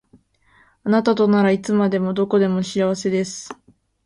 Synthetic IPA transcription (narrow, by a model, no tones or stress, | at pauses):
anat̪at̪o̞naɾait͡sɨmad̪e̞mo̞d̪o̞ko̞d̪e̞mo̞ɕiaβ̞ase̞d̪e̞sɨ̥